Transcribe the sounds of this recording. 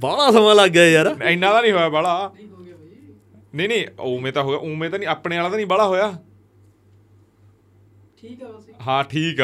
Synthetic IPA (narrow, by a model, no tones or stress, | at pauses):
baːlãːsəmãːlaɡaːjaːɾaːɪnːãːt̪ãːnĩːɦoːjaːbaːɽaː | neːnĩːoːmẽːt̪ãːɦoːɡa̰ʔoːmẽːt̪aːnĩːaːpɽeːaːlaːt̪aːnĩːbaːɭaːɦoːjaː | ɦãːʈʰiːk